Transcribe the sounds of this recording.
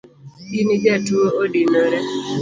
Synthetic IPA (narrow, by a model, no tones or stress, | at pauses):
inid͡ʒɛtuoodinoɾɛ